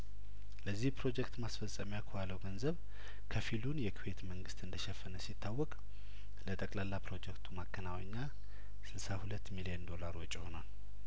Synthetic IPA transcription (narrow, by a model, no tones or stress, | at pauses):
ləzːihpɾo̞d͡ʒɛkt̪masfəsʼːəmijakʰoaləwɡənzəβ | kʰəfilunjɛkʰiwe̞t̪məŋɡɨst̪ɨnd̪əʃɛfːənəsit̪ʰːawːɔkʼ | lət̪ʼəkʼlalːapɾo̞d͡ʒɛkt̪ʰumakʰːənawəɲːa | sɨlsahulət̪ːmilijənd̪o̞laɾo̞t͡ʃʼːɪho̞nal